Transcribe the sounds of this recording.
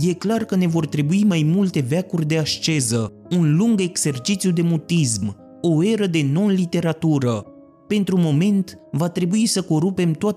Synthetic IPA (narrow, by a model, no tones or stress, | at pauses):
je̞klarkəne̞vo̞rt̪ɾe̞buimajmult̪e̞veakurʲd̪e̞aʃt͡ʃe̞zə | unluŋɡe̞ɡse̞rt͡ʃit̪sijud̪e̞mut̪ism | o̞e̞ɾəd̪e̞no̞nlit̪e̞ɾat̪uɾə | pe̞nt̪ɾumo̞me̞nt̪vat̪ɾe̞buisəko̞ɾupe̞mt̪oa